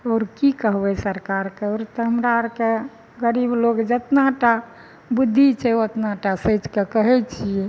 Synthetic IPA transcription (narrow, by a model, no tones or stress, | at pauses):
ɔːɾkikəɦbɛsəɾkaɾkeɔɾt̪ɦəmɾaɾke | ɡəɾibloɡd͡ʒət̪naʈa | bud̪ʱːit͡ʃʰɛət̪naʈasət͡ʃkekəɦɛt͡ʃʰijɛ